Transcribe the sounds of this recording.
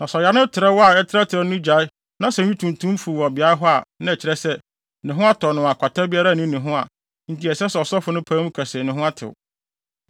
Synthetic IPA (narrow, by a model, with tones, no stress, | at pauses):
nã˨sɔ˨ja˨nʊ̃˦tʰɪ˨ɾɛ˦wɔ˦a˨ɛ˦tʰɪ˦ɾa˦tʰɪ˨ɾɛ˦nʊ̃˦d͡ʑᶣa˨˦ | nã˦sɛ̃˨ĩ˦tʰũ˨n˨tʰũ˦m˦fu˨ɔ˨bɪ˨a˦ɾɦɔ˦a˨nã˦ɛ˨t͡ɕʰɪ˨ɾɛ˦sɛ˦ | nɪ̃˨ɦʊ̃˦a˦tʰɔ˨nʊ̃˨a˨kʷʰa˨tʰa˦bi˦a˦ɾa˦˨nĩ˦nɪ̃˨ɦʊ̃˦a̰˨ | n̩˦tʰi˦ɛ˨sɛ˦sɛ˨ɔ˨sɔ˦fʊ˨nʊ̃˦pʰãː˦m̃˦kʷʰæ˨se˨nɪ̃˨ɦʊ̃˦a˦tʰɪ̰˨ʊ̰˨